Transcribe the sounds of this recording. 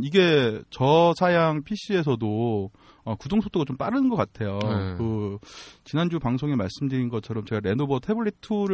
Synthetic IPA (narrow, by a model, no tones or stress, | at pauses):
iɡe̞t͡ɕʌsʰajaŋpʰiɕ͈ʰie̞s̬ʰʌdo | ʌkudoŋsʰotʰoɡat͡ɕomp͈aɾɯnnɡʌk͈atʰe̞jokɯ | t͡ɕinɦand͡ʑupaŋsʰoŋemaɭs͈ɯmdɯɾinɡʌt͡ɕʰʌɾʌmt͡ɕe̞ɡaɾe̞nobʌtʰe̞buɭːitʰuɾɯ